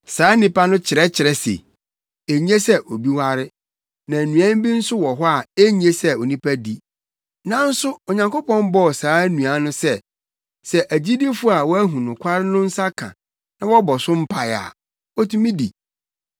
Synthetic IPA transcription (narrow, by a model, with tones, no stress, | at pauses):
saː˨˦nĩ˦pa˦nʊ̃˦t͡ɕʰɪ˨ɾɛ˦t͡ɕʰɪ˨ɾɛ˦sḛ˨ | e˨ɲ˦ẽ˦sɛ˦ʔo˨bi˦wa˦ɾɪ˦ | nã˨nũ˨ã˦m˦bĩ˦n̩˦sʊ˦wɔ˨ɦɔ˦a˨e˦ɲ˦e˦sɛ˦o˨nĩ˦pʰa˦di˦ | nã˦n̩˦sʊ˦ɔ˨ɲã˨ŋko˦pɔ̃˦m˦bɔ˦˨saː˨˦nũ˨a˦nʊ̃˦sɛ˦˨ | sɛ˨ʔæ˨d͡ʑi˦di˦fʊ˦a˨wɔ˦æ˦ɦũ˨nʊ̃˨kʷʰa˦ɾɪ˦nʊ̃˦n̩˦sa˦kʰã̰˨ | nã˦wɔ˦bɔ˨sʊ̃˦m̩˦pʰa˨ja̰˨ | ɔ˦tʰũ˦mĩ˦di˨